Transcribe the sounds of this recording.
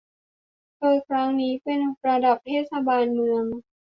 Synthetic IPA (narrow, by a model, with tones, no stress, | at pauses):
kɤː˧˩kʰɾa˦˥ŋniː˦˥pe˧nɾa˧da˨˩p̚t̪ʰeː˥˩t̪̚sa˧baː˧nmɯ˧əŋ